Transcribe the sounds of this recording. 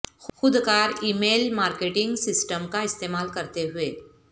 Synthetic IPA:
xʊd̪kaːɾiːmeːlmaːɾkeːʈɪ̃ŋɡsɪsʈəmkaɪst̪eːmaːlkɐɾt̪eɦʊeː

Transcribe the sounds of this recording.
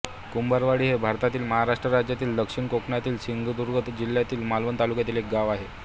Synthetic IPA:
kumbəɾʋaɽiːɦebʱaɾt̪at̪iːlməɦaɾaʂʈɾəɾad͡ʑjat̪iːld̪əkʂiɳkokɳat̪iːlsiŋɡd̪uɾɡət̪d͡ʑiljat̪iːlmalʋənt̪alukjat̪iːlek̚ɡaʋaɦe

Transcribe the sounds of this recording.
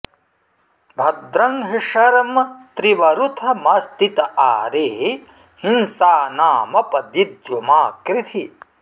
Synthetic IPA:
bʱɐd̪ɾɐŋɦiʂɐɾɐmt̪ɾiʋɐɾut̪ʰɐmɐst̪it̪ɐʔaːɾeː | hinsaːnaːmɐpɐd̪id̪jumaːkɾit̪ʰi

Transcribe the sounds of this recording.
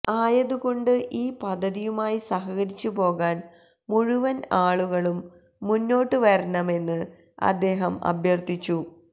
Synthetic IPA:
aːjɐðuɣo̞ɳɖɨʔiːpɐd̪ʱːɐðijumaːjisɐɦɐɣɐɾit͡ɕːupo̞ːɣaːn | muɻuʋɐnaːɭuɣɐɭumː | unːo̞ːʈːɨʋɐɾɐɳɐme̞nːɨ | ɐ̰d̪ːe̞ːɦɐmɐ̰bjɐrt̪it͡ɕːu

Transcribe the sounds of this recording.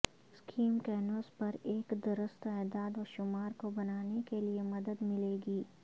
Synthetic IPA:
skʰiːmkɛːnoːspɐɾeːkd̪ɐɾəst̪ɛːd̪aːd̪ʋɔʃʊmaːɾkobɐnaːnekeliemɐd̪əd̪mɪleːɡiː

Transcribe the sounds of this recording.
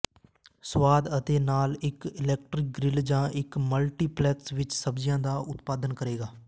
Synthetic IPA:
swaːd̪ət̪eːnaːlɪkɪlɛːk̚ʈɾɪk̚ɡɾɪld͡ʒãːʔɪkməlʈiːplɛːksʋɪt͡ʃsəbd͡ʒɪjãːd̪aːʔʊt̪paːd̪ənkəɾeːɡaː

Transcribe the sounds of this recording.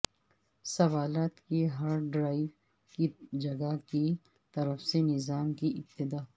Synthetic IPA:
sɐʋaːlaːt̪kiɦɐɾɖɾaːɪʋ | kid͡ʒɐɡaki | t̪ɐɾəfsenɪzaːmkiʔɪb̚t̪ɪd̪aː

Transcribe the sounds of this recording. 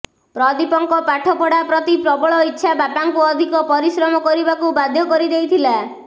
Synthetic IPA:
pɾɔd̪ipɔŋkɔpaʈʰɔpɔɽapɾɔt̪ipɾɔbɔɭɔitːʃʰabapaŋkuɔd̪ʱikɔpɔɾisɾɔmɔkɔɾibakubad̪ʱjɔkɔɾid̪ejt̪ʰila

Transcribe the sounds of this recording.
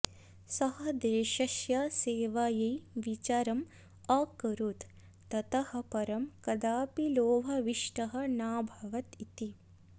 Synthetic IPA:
sɐɦɐ̆d̪eːʃɐʃjaseːʋaːjɐjʋit͡ʃaːɾɐm | aːkɐɾut̪ː | ɐt̪ɐhɐ̆pɐɾɐmkɐd̪aːpiloːʋʱɐʋiʂʈɐɦɐ̆naːbʱɐʋɐt̪it̪i

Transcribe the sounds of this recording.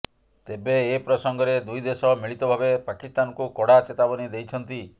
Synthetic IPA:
t̪ebeːpɾɔsɔŋɡɔɾed̪ujd̪esɔmiɭit̪ɔbʱabepakist̪anɔkukɔɽat͡ʃet̪abɔnid̪ejt͡ʃʰɔnt̪i

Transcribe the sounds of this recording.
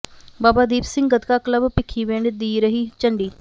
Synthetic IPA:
baːbad̪iːpsɪ̃ŋɡɡət̪kakləbpɪkʰiʋeːɳɖd̪iːɾəɦiːt͡ʃɐɳɖiː

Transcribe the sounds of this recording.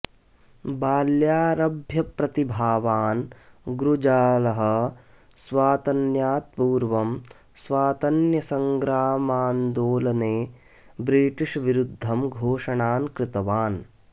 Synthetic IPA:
baːljaːɾɐbʱjɐpɾɐt̪ibʱaːʋaːnɡɾud͡ʒaːlɐɦɐ̆ | sʋaːt̪ɐnjaːt̪̚puːɾʋɐm | sʋaːt̪ɐnjɐsɐŋɡɾaːmaːnd̪oːlɐneː | bɾiːʈiʂʋiɾud̪ʱːɐmɡʱoːʂɐɳaːnkɾɪt̪ɐʋaːn

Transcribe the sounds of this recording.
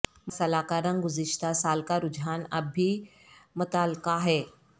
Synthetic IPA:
msɐlaːkaːɾə̃nɡʊzɪʃt̪asaːlkaɾʊd͡ʒʱɦaːnɐbʱːi | mʊt̪aːlɪkaɦɛː

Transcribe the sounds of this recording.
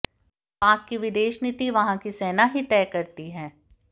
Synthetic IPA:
paːkːiʋɪd̪eːʃnit̪iʋɐɦãkiseːnaɦit̪ɛːkɐɾt̪iɦɛ̃ː

